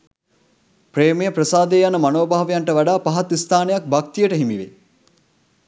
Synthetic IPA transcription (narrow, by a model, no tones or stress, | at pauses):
pɾeːmejəpɾəsaːd̪eːjanːəmanoːbaːʋejaɳʈəʋaɖaːpaɦat̪ist̪ʰaːnejak̚bak̚t̪ijəʈəɦimiʋḛ